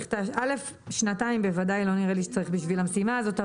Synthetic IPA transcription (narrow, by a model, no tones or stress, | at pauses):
χt̪aʔale̞f | ʃnataimbevadajlo̞niʁeliʃe̥t͡saʁiχbiʃvilamsimaːzo̞ta